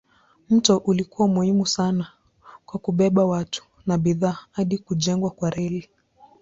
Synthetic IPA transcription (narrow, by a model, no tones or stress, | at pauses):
m̩tɔʔulikuwamuhimusana | kwakuɓɛɓawatu̥ | naɓiðaːhaɗikuʄɛŋɡwakwaɾɛli